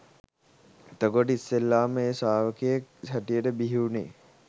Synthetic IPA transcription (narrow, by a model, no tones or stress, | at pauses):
t̪əɡoʈisːelːaːməeːsaːʋəkejek̚sæʈijəʈəbiɦinḛː